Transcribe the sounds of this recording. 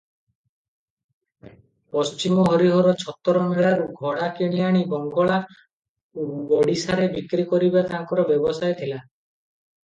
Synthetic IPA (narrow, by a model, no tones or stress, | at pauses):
pɔst͡ʃimɔɦɔɾiɦɔɾɔt͡ʃʰɔt̪ːɔɾɔmeɭaɾuɡʱɔɽakeɽ̃ijaɽ̃ibɔŋɡɔɭa | obɔɽisaɾebikɾikɔɾibat̪aŋkɔɾɔbjɔbɔsajt̪ʰila